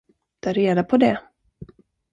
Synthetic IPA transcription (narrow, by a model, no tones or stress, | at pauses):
d̪̥æɾeːd̪apʰɔd̪ɛ